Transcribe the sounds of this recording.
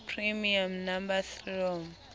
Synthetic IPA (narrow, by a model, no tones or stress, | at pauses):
pʰrimiamnambasɔm